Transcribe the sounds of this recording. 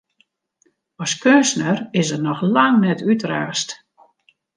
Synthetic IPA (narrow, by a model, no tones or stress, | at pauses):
ɔskønsnərɪsərnɔxlaŋnɛtʰytraːst